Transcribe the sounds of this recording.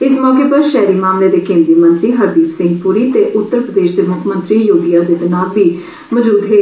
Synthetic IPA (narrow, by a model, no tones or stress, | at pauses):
ɪsmɔːkeːpəɾʃɛːɾiːmaːmleːd̪eːkẽːnd̪iːmə̃nt̪ɾiːɦəbiːbsɪ̃ŋɡpuːɾiːt̪eːʔʊt̪ːəɾpɾəd̪eːʃd̪eːmʊkʰmə̃nt̪ɾiːjoːɡijaːd̪eːt̪ənaːlbiː | məd͡ʒuːd̪ɦeː